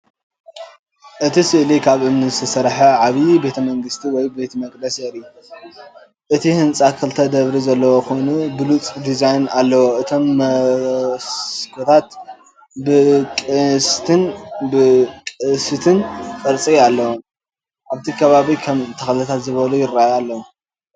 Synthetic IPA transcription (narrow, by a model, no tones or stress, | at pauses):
ʔɨt̪ʰisɨʔlikʰaβʔɨmnɨst̪ʰɨsɐɾħaʕaβibe̞t̪ʰɐmɐŋɡɨst̪ʰiwɔjbet̪ʰmɐkʼd̪ɐsjɛʔɾju | ʔɨt̪ʰihɨnt͡sʼakʰɨlt̪ʰɐd̪ɐβɾizɐlːɐwokonubɨlut͡sʼd̪izajnalːɐwoʔɨt̪ʰo̞mːɐ | skʰot̪ʰat̪ | bɨkʼɨst̪ʰɨnbɨkʼɨsɨt̪ʰɨnkʼɐɾt͡sʼialːɐwom | ʔaβt̪ʰikʰɐβaβikʰɐmt̪ʰɐxlɐt̪ʰat̪zɨβɐlujɪɾajalːɐwom